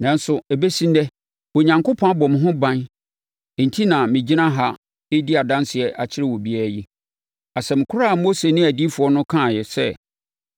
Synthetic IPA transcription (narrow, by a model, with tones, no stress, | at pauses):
nã˨n̩˦sʊ˨ɛ˨be˦sĩ˦ndɛ˦ | o˨ɲã˨ŋko˦pʰɔ̃˦a˦bɔ˨mɪ̃˨ɦʊ̃˦bã˦n | e˨n̩˨tʰi˦nã˨mɪ̃˨d͡ʑi˦nã˦ɦa˦ | e˦di˦a˨dã˦nsɪ˨ɛ˨ʔa˨t͡ɕʰɪ˦ɾɪ˦˨wɔ˨bi˦æ˦ɾji˦ | a˨sɛ˨mɪ̃˨kʰʊ˦ɾa˦˨mo˦se˨nɪ̃˦æ˨di˦fʊ˨ɔ˦nʊ̃˦kʰã˦˨jɛ˨sɛ̰˦˨